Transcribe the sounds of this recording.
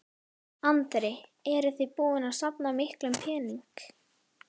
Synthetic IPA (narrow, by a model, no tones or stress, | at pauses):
ant̪ɾɪɛɾʏθɪpuːɪnasapnamɪhklʏmpʰɛːniŋk